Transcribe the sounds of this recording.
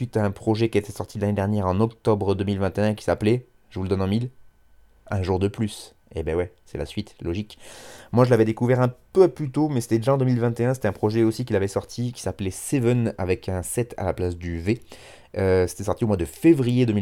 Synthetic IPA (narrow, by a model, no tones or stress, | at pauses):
sɥit̪aɛ̃pχɔʒɛkʲiet̪ɛsɔʁt̪ʰid̪laned̪ɛʁnjɛʁɑ̃nɔkt̪ɔbʁəd̪əmilvɛ̃t̪eɛ̃kʲi̥saplɛ | ʒ̥əvuləd̪ɔnɑ̃mil | ɛ̃ʒuʁd̪əplys | ḛbɛwɛsɛ̰la̰sɥit̪lɔʒikmwaʒəlavɛd̪ekuvɛʁɛ̃pøaplyt̪omɛse̥t̪ɛd̪eʒaɑ̃d̪ømilvɛ̃t̪eɛ̃s̬et̪ɛɛ̃pχɔʒɛosik̬ʲilavɛsɔʁt̪ʰikʲi̥saplɛsevəna̰vɛkʰɛ̃sɛt̪ʰa̰laplasd̪yve | øse̥t̪ɛsɔʁt̪iomwad̪əfevʁijed̪əmi